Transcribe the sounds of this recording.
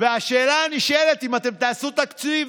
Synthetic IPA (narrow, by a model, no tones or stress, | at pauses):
veaʃeːlaːniʃelet̪imat̪e̞mt̪aːsut̪akt͡siv